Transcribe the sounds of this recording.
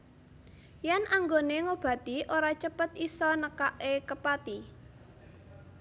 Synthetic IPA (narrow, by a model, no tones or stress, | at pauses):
jɛnaŋɡoneŋob̥ä̤t̪iʔoɾat͡ʃəpət̪isɔnəkaʔekəpat̪i